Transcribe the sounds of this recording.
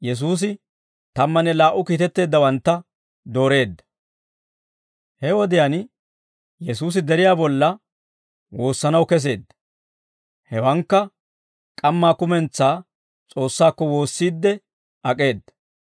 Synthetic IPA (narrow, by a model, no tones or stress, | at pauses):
jɛs̬uːs̬ɪ | t̪ɐmːɐnɛlaːʔʊkiːt̪ɛt̪ːe̞ːd̪ːɐwɐnt̪ːɐ | d̪o̞ːɾe̞ːd̪ːɐ̥ | hɛwɔd̪ɪjan | jɛsuːs̬ɪd̪ɛɾɪjaːbɔlːɐ | wo̞ːsːɐnɐwkɛs̬e̞ːd̪ːɐ̥ | hɛwɐŋkːɐ | kʼɐmːaːkʊmɛnt͡sːaː | t͡sʼo̞ːsːaːkːɔwo̞ːsːiːd̪ːɛ | ʔɐkʼe̞ːd̪ːɐ̥